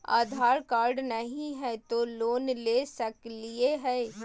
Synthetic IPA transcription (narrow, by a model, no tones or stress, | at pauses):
a̰ːd̪ʱaːɾkaːɾɖnɐɦĩɦɛt̪oloːnleːsɐklieɦɛː